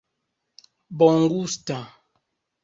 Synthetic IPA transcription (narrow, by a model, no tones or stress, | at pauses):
bɔŋ̩ɡusta